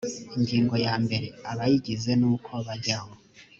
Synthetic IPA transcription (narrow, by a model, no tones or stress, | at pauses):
iɲɡiːŋɡo̞jaːmbe̞ɾe̞aβajiɟize̞nuːkʰo̞βaɟaŋo